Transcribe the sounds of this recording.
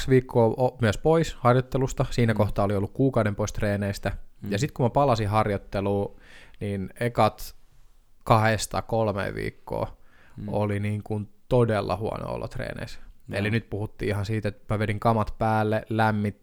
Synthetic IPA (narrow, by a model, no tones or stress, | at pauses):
sʋiːkʰːoːmyæspoishɑrjot̪ːelust̪ɑsiːnækoht̪ɑːoliolːukkuːkɑudempoist̪reːneist̪æjɑsit̪kumæpɑlɑsiɦɑrjot̪ːeluːniːnekɑt̪ | kɑhest̪ɑ̰kolmḛːʋʋḭːkːo̰ː | oliniːŋkunt̪odelːɑ̰huɑ̰no̰o̰lːo̰t̪rḛːnḛiselinyt̪̚puhut̪ːḭːihɑnsiːt̪et̪mæʋeniŋkɑmɑt̪pæːlːelæmːit̪